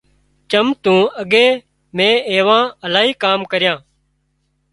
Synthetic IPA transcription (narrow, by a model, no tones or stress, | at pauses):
t͡ʃəmt̪ũːəɠeː | mẽːeːʋãːəlaːɦiːkaːmkəɾjãː